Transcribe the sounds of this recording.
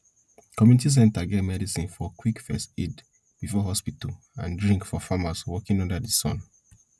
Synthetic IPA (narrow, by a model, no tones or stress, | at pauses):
kɔmjunitis̬ɛ̃ntaɡɛtmɛdisĩnfɔkwikfɛstid | b̥ifɔɦɔspital | ãndɹĩŋkfɔfamaswɔkĩnɔ̃ndadisɔ̰̃n